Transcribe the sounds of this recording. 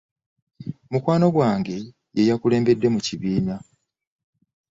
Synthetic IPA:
mukwaːno̞ɡwaːŋɡe̞ | jejakule̞ːmbe̞dːe̞muciβiːmja

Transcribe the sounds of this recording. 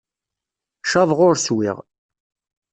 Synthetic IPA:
ʃɑðˤʁʊɾswḭʁ

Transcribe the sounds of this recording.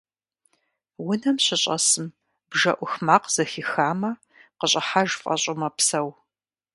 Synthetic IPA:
wʊnɐmɕɪɕʼɐsɨm | b̥ʒɐʔʷʊxmaːqz̥ɐxixaːmɐ | qəɕʼɐħaʒfʼɐ̰ɕʼɪmɐpsɐw

